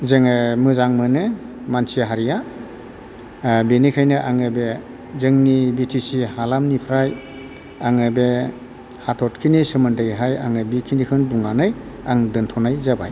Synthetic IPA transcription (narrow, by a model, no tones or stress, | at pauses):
zeŋɯmɯzaŋmɯnɯ | mansijaɦaɾija | benikʰajnɯʔaŋɯbe | zɯŋnibitʰisihalamnipʰɾaj | aŋɯbe | hatʰɔt̚kʰinisɯmɯndɯjɦajaŋɯbikʰinikʰɯnbuŋanɯjaŋdɯntʰɔnajzaba̰j